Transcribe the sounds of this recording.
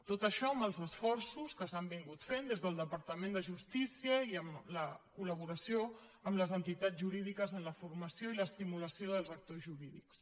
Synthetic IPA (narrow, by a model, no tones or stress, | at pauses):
t̪ot̪əʃɔəməlˠzəsfɔrsuskəsambiŋɡut̪fend̪ezðəlˠd̪əpəɾt̪əmẽnd̪əʒust̪isiəiəmləkuləβ̞uɾəsjo | əmləzənt̪it̪azʒuɾiðikəzənləfurməsioiləːst̪imuləsioðəlˠzək̚t̪ozʒuɾiðiks